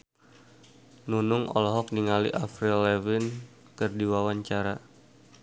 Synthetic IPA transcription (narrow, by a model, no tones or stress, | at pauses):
nunʊŋɔ̰lɦɔk̚niŋalḭʔafɾɛlːɛvin | kɨrdiwawaɲt͡ʃaɾa